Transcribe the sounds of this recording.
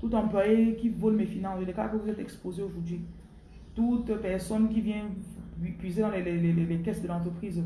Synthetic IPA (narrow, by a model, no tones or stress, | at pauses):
t̪ut̪ɑ̃plwajekʲivɔlmefinɑ̃ilekakəvuzɛt̪ɛkspozeoʒuʁd̪ɥi | t̪ut̪pɛʁsɔnkʲivjɛ̃nipɥized̪ɑ̃lɛlɛlɛlɛlɛkɛsd̪əlɑ̃t̪χəpχiz